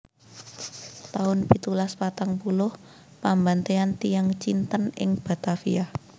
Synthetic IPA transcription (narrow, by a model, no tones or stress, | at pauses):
t̪aʊnpit̪ulaspat̪aŋpulʊh | pambant̪eant̪ijaŋt͡ʃint̪ənɪ̰ŋb̥a̤t̪afiah